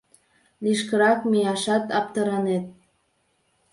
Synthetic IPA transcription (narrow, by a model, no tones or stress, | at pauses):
liʃkəɾɑkmijɑʃɑt̪ɑp̚t̪əɾɑnet̪̚